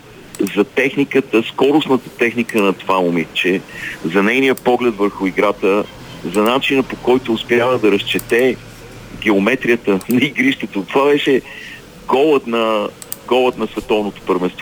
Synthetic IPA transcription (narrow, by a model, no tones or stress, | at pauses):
zɐt̪ɛxnikət̪əskɔɾʊsnət̪ə̥t̪ɛxnikənɐt̪vamʊmit͡ʃɛzɐnɛjnijəpɔɡlɛt̪vəɾxʊiɡɾat̪ə | zɐnat͡ʃinəpokɔjt̪ʊːspʲjavəd̪ɐɾɐst͡ʃɛt̪ɛ | ɡ̟ɛomɛt̪ɾijət̪ənɐiɡɾiʃt̪ɛt̪ot̪ovabɛʃɛ | ɡɔlˠət̪nɐ | ɡɔlˠət̪nɐsvɛt̪ɔvnot̪o̥pəɾvɛ̃nst̪vɔ